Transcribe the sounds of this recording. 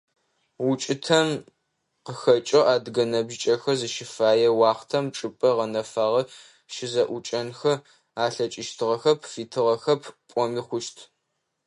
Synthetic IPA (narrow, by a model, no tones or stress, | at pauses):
wʊt͡ʃʼɪtʰɐm | qəxɐt͡ʃʼɐʔaːdɡɐnɐbʒɪt͡ʃʼɐxɐzɨʃɪfaːjɛwɑːχtʰɐmʈ͡ʂʼɨpʼɐʁɐnɐfaːʁɐ | ʃɪzɐʔʷʊt͡ʃʼɐnxɐ | aːɬɐt͡ʃʼɪʃtʰɨʁɐxɐpʰfiːtʰɨʁɐxɐpʰpʷʼɔmiːχʷʊʃtʰ